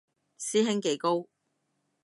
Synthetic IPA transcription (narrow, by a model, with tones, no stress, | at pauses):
siː˥ɦɪ˥ŋke˨˥jko˥w